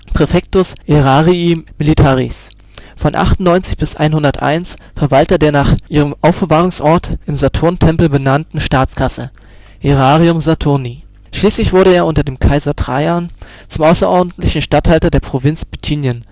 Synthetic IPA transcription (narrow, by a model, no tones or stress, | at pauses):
pʁ̥efɛk̚tʊsʔeʁaːʁiimilitʰaːʁḭs | fɔnʔa̰χtnnːɔʏnt͡sɪçb̥ɪsʔa̰ɪnhʊndɐtʔa̰ɪnsfɛɐvaltɐdeːɐnaːχʔiːʁəmʔaʊfb̥əvaːʁ̞ʊŋsʔɔɐtʔɪmzatʰʊɐntʰɛmpl̩bənantn̩ʃtaːt͡skʰasə | ʔeʁaːʁiʊmzatʰʊɐni | ʃliːslɪçv̥ʊɐɾəeːɐʔʊntɐdeːmkʰaɪzɐtʁ̥a̰ɪan | t͡sʊmʔaʊsɐʔɔɐdn̩tlɪçn̩ʃtathaltɐdeːɐpʁ̥ovɪnt͡sb̥itʰiːnjən